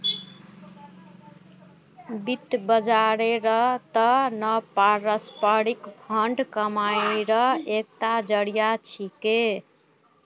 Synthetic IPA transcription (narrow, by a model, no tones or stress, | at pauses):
bit̪bəd͡ʒaɾeɾəɦt̪ənəpaɾəspəɾikbʱəɳɖkəmajɾəɦek̚t̪ad͡ʒəɽijat͡ʃʰike